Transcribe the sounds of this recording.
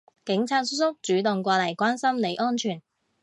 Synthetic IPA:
kɪ˨˥ŋt͡sʰaː˧t̚sʊ˥t̚sʊ˥k̚t͡ʃyː˨˥t̪ʊ˨˩ŋkʷɔː˧lɐ˨˩jkʷaː˥nsɐ˥mle˨˧jʔɔː˥nt͡ʃʰyː˨˩n

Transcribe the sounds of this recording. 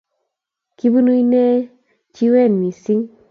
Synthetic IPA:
ki˦bu˦nu˦i˦nɛ˦ | t͡ʃi˦wɛ˦˨nmi˨si˦ŋ

